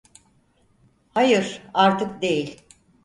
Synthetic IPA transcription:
hajɯɾaɾt̪ʰɯkd̪e̞jilʲ

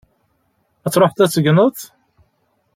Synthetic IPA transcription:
æt͡sːɾˤoħθæt͡sːəɡnəθ

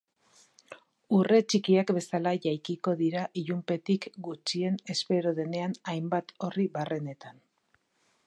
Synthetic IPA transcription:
ure̞t͡ʃikiakbe̞salaʝajkiko̞ðiɾaʔiʎumpe̞t̪ikɡut͡ʃie̞ne̞spe̞ɾoðe̞ne̞anajmbat̪o̞riβare̞ne̞t̪an

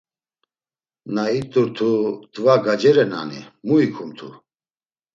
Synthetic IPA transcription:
nait̪ʼuɾt̪ʰut̪ʼvaɡad͡ʒɛɾɛna̰nḭmuikʰumt̪ʰu

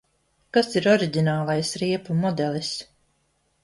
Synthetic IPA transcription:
kasiɾɔɾiɟʲinaːlˠajsɾiɛpumɔd̪ɛlˠis

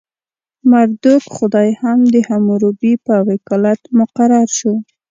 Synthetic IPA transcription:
maɾd̪ukxʊd̪ɑjhamd̪əhamuɾubipəawɪkɑlat̪mʊqaɾaɾʃu

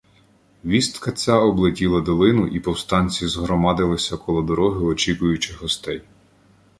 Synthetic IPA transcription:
ʋʲist̪kɐt͡sʲaɔblˠetʲilˠɐd̪ɔlˠɪnʊʔipɔwst̪ɑnʲt͡sʲizɦɾɔmɑd̪ɪlˠɪsʲɐkɔlˠɔd̪ɔɾɔɦɪɔt͡ʃʲikʊjʊt͡ʃɪɦɔst̪ɛj

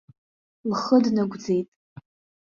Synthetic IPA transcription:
lχədnaɡʷd͡ze̞jtʼ

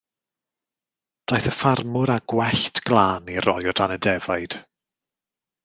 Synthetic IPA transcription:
d̥ajθəfarmʊɾaɡ̥wɛɬtʰɡ̥lˠaːnirɔjɔdanədɛvajd̥

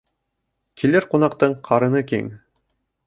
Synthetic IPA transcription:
kʰilɘɾqunɑqt̪ɤɴqʰɑɾɤ̆nɤkḭŋ

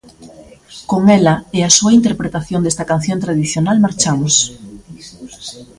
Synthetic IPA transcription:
koŋelɐeasuaint̪eɾpɾet̪aθjond̪est̪ɐkan̟θjõnt̪ɾað̞iθjonalmaɾt͡ʃamos

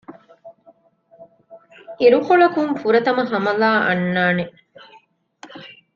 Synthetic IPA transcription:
iɾukoɭɐkumfuɾɐt̪ɐmɐɦɐmɐlaːʔɐ̰nːaːneʔ

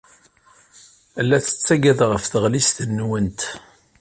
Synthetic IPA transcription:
ælːæθə̥t͡sːæɡæðʁəfθəʁlist̪ənːwənt̪

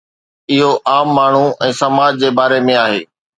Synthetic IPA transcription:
ɪɦoʔaːmːaːɳ̤uɛ̃ːsɐmaːd͡ʑd͡ʑeːbaːɾemẽaːɦeː

